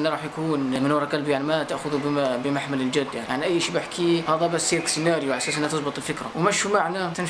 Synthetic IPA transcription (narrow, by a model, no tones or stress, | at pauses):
nːaɾˤɑːħjakuːnmɪnwɑɾˤɑkɑlbjaʕnimat̪aʔxʊðubbəmaħmaləld͡ʒʊd̪ːjaʕnja̰ʕniʔæjːʃiːbɪħkʰihɑːðˤæbæsiːɾksənaːɾjuʔasaːsʔənːhat̪ɨsˤbət̪ˤəlfɪkɾa̰wmæʃumaʕnamt̪ɪn